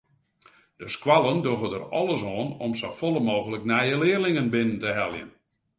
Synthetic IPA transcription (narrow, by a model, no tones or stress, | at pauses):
d̥əskwalˠəndoɣədə̰rɔlˠəsɔːnɔmsofolˠəmoːɣələknɛjəlɪːrlɪŋənbɪnəntəɦɛlˠjə̰n